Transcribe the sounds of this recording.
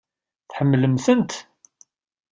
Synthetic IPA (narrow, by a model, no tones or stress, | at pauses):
θħəmːləmθənt̪